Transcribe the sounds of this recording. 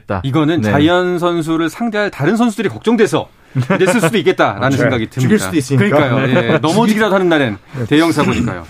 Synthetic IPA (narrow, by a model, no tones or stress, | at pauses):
t͈aiɡʌnɯnt͡ɕaiʌns̬ʰʌns̬ʰuɾɯɭsʰaŋde̞ɦaɭtaɾɯnsʰʌnsʰudɯɾikʌk̚t͡ɕ͈ʌŋdwe̞sʰʌ̰ | dessʰɯnsʰudoik͈e̞t̚t͈aɾanɯnsʰeŋɡaɡitɯiis͈aoskɯɲik͈ajojenʌmud͡ʑiɡidadoɦanɯnːaɾente̞jʌŋs̬ʰaboɲik͈a̰jo̰